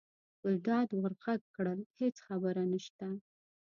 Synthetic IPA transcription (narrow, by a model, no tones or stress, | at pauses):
əd̪ɑd̪wəɾqakkːɽəlhet͡sxabəɾanəʃt̪a